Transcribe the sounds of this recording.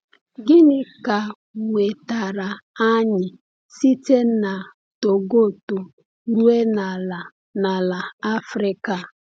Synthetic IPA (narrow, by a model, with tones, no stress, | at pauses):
ɡɪ˦nɪ˦ka˨ | ŋʷe˨ta˨ɾa˨a˦ɲɪ˨ | si˦te˦na˨ | to˨ɡo˦˨to˨ | ɾu˦e˦na˨la˨ | na˨la˨a˦fɾɪ˦ka˨